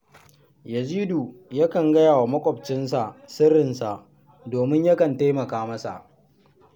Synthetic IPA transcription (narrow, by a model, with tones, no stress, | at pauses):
jɐ˨ziː˦du˨jɐ˦kɐ˨ŋɡɐ˦jaː˨wa˨mɐ˦kʷʼɔ˨b̚t͡ʃɪ˦nsa˨ʔsɪ˦ɾɪ˨nsa˨ʔ | doː˨mɪ˦ɲjɐ˦kɐ˨nta˦mɐ˨kaː˦mɐ˦sa̰˨ʔ